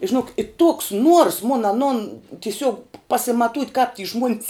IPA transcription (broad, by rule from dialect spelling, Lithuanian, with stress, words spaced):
ɪ ʒʲɪˈnoːk ɪ toːks nuɔrs mʊn ɐˈnʊn tʲɪˈsʲuɔk pɐsʲɪmɐˈtuːtʲ kɐp tʲiː ʒmuɔnʲs